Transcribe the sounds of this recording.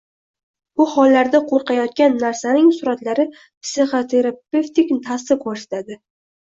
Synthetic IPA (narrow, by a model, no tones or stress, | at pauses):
bʊhɒlːaɾd̪aqʰoɾqɑjɒt̪̚kʲanːaɾsanɪŋsʊɾat̪laɾɪ | psiχot̪ʰe̞ɾapeft̪ɪkʲt̪ʰasɪqʰɒʃɪ̥t̪ʰad̪ɪ